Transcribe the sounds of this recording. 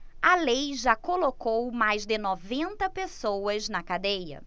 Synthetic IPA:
ɐlejʒakolokowmajzd̪ɪnɔvẽnt̪ɐpesowɐznɐkad̪ejɐ̰

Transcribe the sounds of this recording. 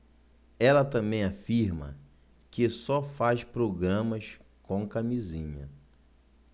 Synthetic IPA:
ɛlɐt̪ɐ̃mbẽj̃afiɾmɐ̰ | kɪsɔfaspɾoɡɾɐ̃mɐs | kõkamizĩɲɐ̰

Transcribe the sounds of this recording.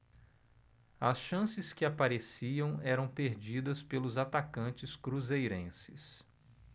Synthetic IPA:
ɐsʃɐ̃sɪskɪapaɾesiɐ̃w̃ɛɾɐ̃w̃peɾd͡ʒid̪ɐspelʊzat̪akɐ̃t͡ʃɪskɾuzejɾẽsɪs

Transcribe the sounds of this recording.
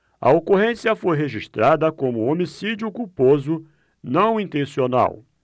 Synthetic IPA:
ɐ̰okoɦẽsiɐfojɦeʒiʃt̪ɾad̪ɐkõmʊomisid͡ʒʊkupozʊ | nɐ̃w̃ĩnt̪ẽsiona̰w

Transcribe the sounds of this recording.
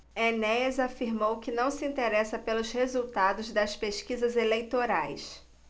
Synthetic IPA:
enɛzafiɾmowkɪnɐ̃w̃sɪĩt̪eɾɛsɐpelʊshezuwt̪ad̪ʊzd̪ɐspeʃkizɐzelejt̪oɾajs

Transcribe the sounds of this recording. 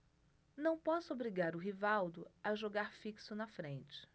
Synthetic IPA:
nɐ̃w̃pɔsʊobɾiɡaɾʊɦivawd̪ʊaʒoɡaɾfiksʊnɐfɾẽt͡ʃɪ̥

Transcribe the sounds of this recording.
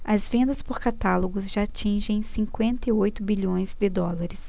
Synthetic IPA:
ɐzvẽnd̪ɐspoɾkat̪aloɡʊzʒaat͡ʃĩʒẽj̃sĩkwẽnt̪ɐiojt̪ʊbiʎõj̃zd̪ɪd̪ɔlaɾɪs

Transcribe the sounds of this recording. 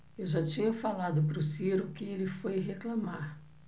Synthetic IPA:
ewʒat͡ʃĩɲɐfalad̪ʊpɾʊsiɾʊkɪelɪfojɦeklamaɾ

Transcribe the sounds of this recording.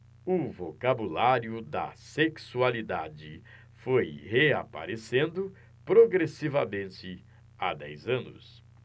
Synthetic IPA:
ʊvokabulaɾjʊd̪ɐ̰seksualid̪ad͡ʒɪ | fojheapa̰ɾesẽnd̪ʊ | pɾoɡɾesivɐmẽnt͡ʃɪ | a̰d̪ɛ̰jzɐ̃nʊ̰s

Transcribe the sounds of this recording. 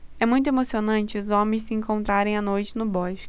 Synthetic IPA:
ɛmũj̃t̪ʊemosionɐ̃t͡ʃɪʊzõmẽj̃sɪẽŋkõnt̪ɾaɾẽj̃anojt͡ʃɪnʊbɔʃ

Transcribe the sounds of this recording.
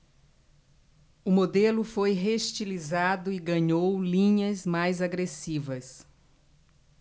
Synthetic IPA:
ʊmod̪elʊfojɦeʃt͡ʃilizad̪ʊɪɡɐ̃ɲowlĩɲɐzmajzaɡɾesivɐs

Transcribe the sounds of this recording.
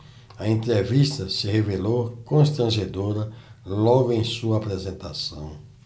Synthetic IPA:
ɐẽnt̪ɾevist̪ɐsɪhevelowkõst̪ɾɐ̃ʒed̪oɾɐlɔɡʊẽj̃suɐapɾɛzẽnt̪asɐ̰̃w̃

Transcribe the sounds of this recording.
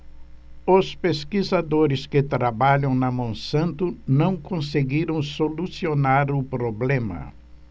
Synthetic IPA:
ʊspeskizad̪oɾɪskɪt̪ɾabaʎɐ̃w̃nɐmõsɐ̃nt̪ʊnɐ̃w̃kõseɡiɾɐ̃w̃solusionaɾʊpɾoblẽmɐ̰

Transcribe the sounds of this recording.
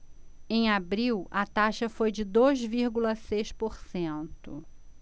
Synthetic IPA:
ẽj̃abɾiwɐt̪aʃɐfojd͡ʒɪd̪ojzviɾɡulɐsejspoɾsẽnt̪ʊ̰

